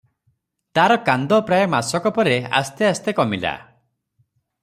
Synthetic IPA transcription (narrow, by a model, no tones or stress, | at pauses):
t̪aɾɔkand̪ɔpɾajɔmasɔkɔpɔɾea̰st̪east̪ekɔmila̰